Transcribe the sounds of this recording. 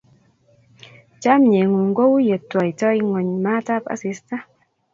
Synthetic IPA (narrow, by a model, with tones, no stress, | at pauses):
t͡ʃa˦mɲe˨ŋu˨ŋɡo˦wjə˨tːwa˨i˨tɔ˦jŋɔ˨ɲma˦ta˦pa̰˨si˦sta˦